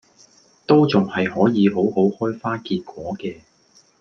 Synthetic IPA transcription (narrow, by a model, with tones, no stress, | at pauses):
t̪o˥wt͡sʊ˨ŋhɐ˨jhɔː˨˥jiː˨˧ɦo˨˥who˨˥whɔː˥jfaː˥kiː˧t̚kʷɔː˨˥kɛː˧